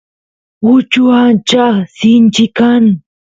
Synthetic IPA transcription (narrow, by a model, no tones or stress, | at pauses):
ʊt͡ʃʊant͡ʃasɪnt͡ʃɪkaŋ